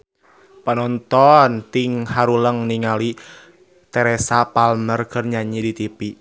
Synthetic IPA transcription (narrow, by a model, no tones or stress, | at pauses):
pənɔnt̪ɔnt̪iŋhaɾuləŋniŋali | t̪ɛɾɛsapalmərkərɲaɲidit̪ipi